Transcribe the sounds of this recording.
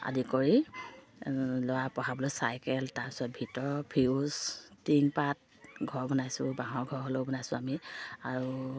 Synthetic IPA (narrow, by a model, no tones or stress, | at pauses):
a̰dikoɹi | lɔwapɔɦabɔlɔjsajkɛltaɹpi̥sɔt̚bʱitɔɹpʰiustiŋpat̚ | ɡʱɔɹbɔnajsʊ̃baɦɔɡʱɔɹɦolobɔnajsʊ̃amiaɹu